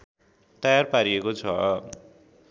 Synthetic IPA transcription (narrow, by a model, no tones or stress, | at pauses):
t̪ʌjarpaɾiekot͡sʰʌ̰